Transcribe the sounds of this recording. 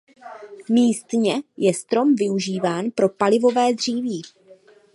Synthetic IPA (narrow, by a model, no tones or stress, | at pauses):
miːst̪ɲɛjɛst̪ɾo̞mvɪuʒiːvaːnpɾo̞palɪvo̞vɛːd̪r̝iːviː